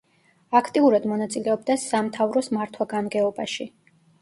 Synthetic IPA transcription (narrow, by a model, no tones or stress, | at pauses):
akʰt̪ʼiuɾad̪mɔnat̪sʼilɛɔb̚d̪asamt̪ʰavɾɔsmaɾt̪ʰwaɡanɡɛɔbaʃi